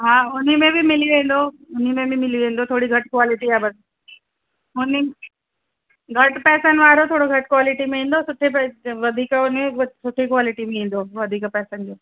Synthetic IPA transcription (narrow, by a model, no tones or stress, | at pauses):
ɦãːʊnimẽbʱɪmɪliʋẽːn̆d̪o | ʊn̤imẽbʱimɪliʋẽːnd̪ot̪ʰoːɽiɡʱɐʈkwaːlɪʈiaːbɐs | ʊni | ɡʱɐʈpɛːsənʋaːɾot̪ʰoːɽoɡʱɐʈkwaːlɪʈimẽĩːn̆d̪osʊʈʰepɛʋɐd̪ʱiːkʊnẽsʊʈʰekwaːlɪʈimẽĩːn̆d̪oːʋɐd̪ʱiːkpɛːsənd͡ʑoː